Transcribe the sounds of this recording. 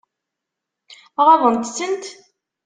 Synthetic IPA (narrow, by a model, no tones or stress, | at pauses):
ʁavˤənt̪sənt̪